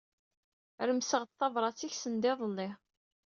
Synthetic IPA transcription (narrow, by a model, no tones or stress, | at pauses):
ɾəmsəʁt̪θɑvɾˤɑt͡sːiçsənd̪ɪðˤəlːɪ